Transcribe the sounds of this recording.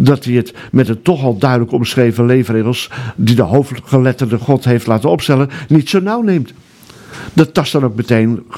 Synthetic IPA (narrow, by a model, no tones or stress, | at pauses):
dɑtiət | mɛtətɔχɑlˠdœɥdələkɔmsχejvənlejvreχəlˠsdidəɦowfχəlɛtərdəχɔtɦejftlaːtənɔpstɛlənnitsonawnejmt | d̥ɑttɑsdɑnowk̚mətejn